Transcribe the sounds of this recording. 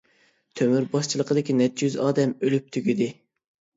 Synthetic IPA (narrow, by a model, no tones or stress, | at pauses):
t̪ʰømyɾbɑʃt͡ʃʰilˠəqəd̪ɪkʲinɛt̪jyzɑːd̪ɛmølyp̚t̪ʰyɡʲid̪ɪ